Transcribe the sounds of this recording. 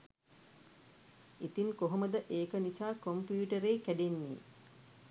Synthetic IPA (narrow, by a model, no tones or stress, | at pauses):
it̪iŋkoɦoməd̪əʔeːkənisaːkompjuːʈəɾeːkæɖenːḭː